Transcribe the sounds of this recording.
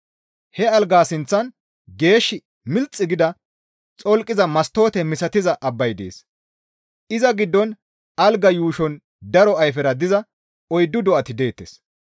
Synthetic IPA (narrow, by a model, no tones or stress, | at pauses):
hɛɐlɡaːsɪnt͡sːɐn | ɡe̞ːʃːɪ | mɪlt͡sʼːɪɡɪd̪ɐ | t͡sʼɔlkʼːɪzɐmɐst̪ːo̞ːt̪ɛmɪsɐt̪ɪzɐʔɐbːɐjd̪ḛːs | ʔɪzɐɡɪd̪ːɔn | ɐlɡɐjuːʃɔn | d̪ɐɾɔɐjfɛɾɐd̪ɪzɐ | ɔjd̪ːʊd̪ɔʔɐt̪ɪd̪e̞ːt̪ːes